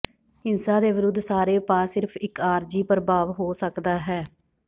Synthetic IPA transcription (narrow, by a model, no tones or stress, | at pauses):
ɪnsãːd̪eːʋɪɾʊd̪ːsaːɾeːpaːsɪɾpʰɪkaːɾd͡ʒiːpəɾbaːʋɦoːsəkd̪aːɦɛː